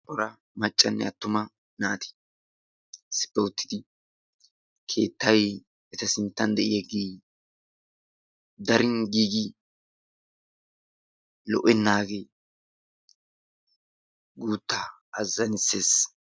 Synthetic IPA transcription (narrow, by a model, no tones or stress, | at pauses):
ʔɔɾɐ | mɐt͡ʃʼːɐnːɛ̰ɐt̪ːʊmɐ | naːt̪ɪ̥ | sɪ̥pːɔt̪ːɪ̥d̪ɪ | kʰe̞̰ːt̪ːɐj | ɛt̪ɐsɪnt̪ːɐnd̪ɛʔɪjɐɡiː | d̪ɐɾɪnɡiːɡɪ | lɔ̰ʔɛnːaːɡe | ɡuːt̪ːaːɐzːɐnɪseːs